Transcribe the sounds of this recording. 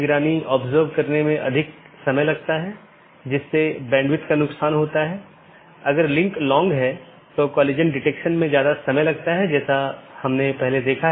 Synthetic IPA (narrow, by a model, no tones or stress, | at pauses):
ɡɾaːniɔːbzəːɾbkɐɾnemẽʔɐ̰d̪ʱɪk̚ | sɐməjlɐɡ̚t̪aɦɛ | d͡ʒɪsːebɛ̃ːɳɖʋɪt̪kanʊksaːnɦoːt̪aɦɛː | ɐɡəɾlɪ̃ŋklɔ̃ːŋɡɦɛ | t̪okɔːleːd͡ʒə̃nɖɪʈeːkʃənmẽzjaːd̪asɐməjlɐɡ̚t̪aɦɛd͡ʒɛːsahɐmnepɛɦled̪eːkʰa